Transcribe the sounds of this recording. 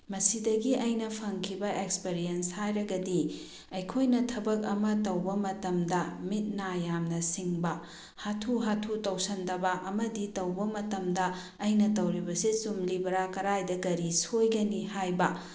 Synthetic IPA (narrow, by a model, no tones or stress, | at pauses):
mɐsidɐɡiɐjnɐpʰɐŋkʰibɐʔekspeɾijenshajɾɐɡɐdi | ɐjkʰojnɐtʰɐbɐk̚ɐmɐtɐwbɐmɐtɐmdɐmit̚najamnɐsiŋbɐ | hatʰuɦatʰutɐwsɐndɐbɐʔɐmɐditɐwbɐmɐtɐmdɐː | jnɐtɐwɾibɐsisumlibɐɾakɐɾajdɐɡɐɾisojɡɐnihajbɐ